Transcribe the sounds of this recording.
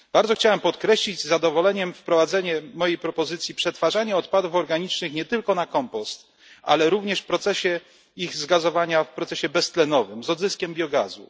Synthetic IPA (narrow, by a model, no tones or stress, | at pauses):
b̥aɾd̪ɔxt͡ɕawɛmpɔt̪kɾɛɕlʲid͡ʑzad̪ɔvɔlɛɲɛmfpɾɔvad̪zɛɲɛmɔjejpɾɔpɔzɘt̪sʲjipʂɛt̪faʐaɲɛɔt̪pad̪ufɔɾɡaɲit͡ʂnɘxɲɛt̪ɘlkɔnakɔmpɔst̪ | ʔa̰lɛɾuvɲɛʂfpɾɔt̪sɛɕɛ | iɣzɡazɔvaɲafpɾɔt̪sɛɕɛbɛst̪lɛnɔvɘmzɔd̪zɘskʲɛmbʲjɔɡazṵ